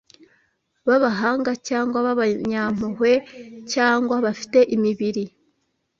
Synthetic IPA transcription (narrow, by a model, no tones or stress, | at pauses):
βaβaɦaːŋɡacaːŋɡwaβaβaɲam̥uhwe̞caːŋɡwaβafi̥te̞ʔimiβiɾi